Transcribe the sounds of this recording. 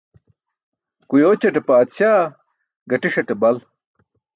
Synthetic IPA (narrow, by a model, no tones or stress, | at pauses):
kujoːt͡ɕɐʈepaːt̪ɕaː | ɡɐʈiʂɐʈebɐl